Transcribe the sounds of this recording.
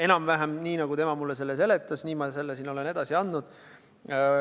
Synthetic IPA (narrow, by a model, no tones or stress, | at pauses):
e̞nɑmvæɦæmniːnɑɡ̥ut̪e̞mɑmulːese̞lːes̬e̞le̞t̪ːˑɑsniːmɑse̞lːesiːno̞le̞ne̞d̪̥ɑsiɑnːud̪̥